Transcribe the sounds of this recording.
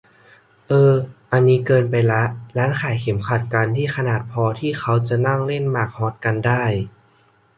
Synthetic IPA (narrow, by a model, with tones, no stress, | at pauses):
ʔɤː˧ʔa˧nːiː˦˥kɤː˧npa˧jla˦˥ʔlaː˦˥nkʰaː˨˩˦jkʰe˨˩˦mkʰa˨˩t̪̚ka˧nt̪ʰiː˥˩xʰa˧naː˨˩t̪̚pʰɔː˧t̪ʰiː˥˩xʰa˦˥wt͡ɕa˨˩na˥˩ŋle˥˩nmaː˨˩k̚hɔː˦˥t̪̚ka˧ndaː˥˩j